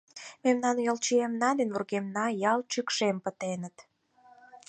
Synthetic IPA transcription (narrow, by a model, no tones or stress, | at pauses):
memnɑnjolt͡ɕiemnɑd̪enβurɣemnɑjɑlt͡ɕykʃempət̪enət̪